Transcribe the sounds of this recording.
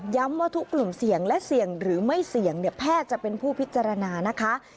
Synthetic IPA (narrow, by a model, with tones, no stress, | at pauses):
ja˦˥mwaː˥˩t̪ʰu˦˥kːlu˨˩msi˨˩˦əŋlɛ˦˥si˨˩əŋɾɯː˩˦ma˥˩jsi˨˩˦əŋni˥˩pʰɛː˥˩t̪̚t͡ɕa˨˩pe˧npʰuː˥˩pi˦˥t̪̚t͡ɕa˧ɾa˧naː˧na˦˥kʰa˦˥